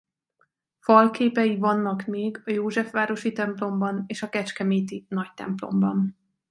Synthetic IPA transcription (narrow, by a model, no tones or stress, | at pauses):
fɒlkeːpɛjivɒnːɒkmeːɡɒjoːʒɛfʋaːɾo̞ʃit̪ɛmplo̞mbɒneːʃɒkɛt͡ʃkɛmeːt̪inɒct̪ɛ̰mplo̞̰mbɒn